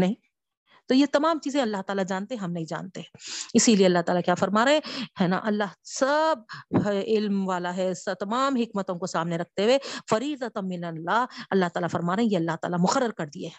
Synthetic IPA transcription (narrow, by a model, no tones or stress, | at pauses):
nɐɦĩ | t̪ojet̪ɐmaːmt͡ʃiːzẽɐlːaɦt̪aːlad͡ʒaːnt̪eɦɛ̃ɦɐmnɐɦĩd͡ʒa̰ːnt̪eɦɛ̃ɪsilieɐlːaɦt̪aːlakjaːfɐɾmaːɾeɦɛ̃hɛːna̰ʔɐlːaɦsɐb̚ | ɪlmʋaːlaɦɛsɐt̪ɐmaːmɦɪkmət̪õkosaːmneɾɐk̚ʰt̪ewefɐɾiːzət̪ɐmɪlənlaɐlːaɦt̪aːlafɐɾmaːɾeɦẽjeɐlːaɦt̪a̰ːlamʊxəɾːəɾkɐɾd̪ieɦɛ̃ː